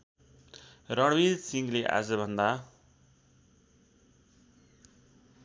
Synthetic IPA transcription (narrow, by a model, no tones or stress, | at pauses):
rʌɽbidsiŋɡleʔa̰d͡zʌbʱʌnd̪a